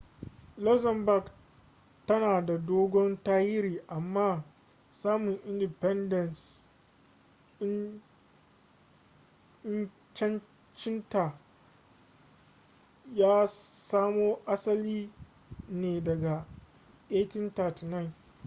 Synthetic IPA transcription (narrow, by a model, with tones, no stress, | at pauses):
lɔ˦zɐ˨mba˨ɡ | tɐ˦naː˨da˨doː˦ɡʷɔ˦ntaː˦jɪ˦ɾiː˨ʔa˨mːaː˦ | saː˦mʊ˨ŋʔɪ˦ndɪ˨pɛ˦ndɐ˨ns | ɪ˦n | t͡ʃɛ˦n | t͡ʃɪ˦nta˨ | jaː˦saː˦moː˦ʔa˦sɐ˦liː˦ | neː˨dɐ˨ɡa˨ | ʔeː˦tɪ˦nta˨ti˨na˦˨n